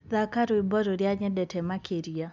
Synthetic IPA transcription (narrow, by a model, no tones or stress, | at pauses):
ðakaɾoɪbɔɾoɾjaɲɛdɛtʰɛmakʰeɾia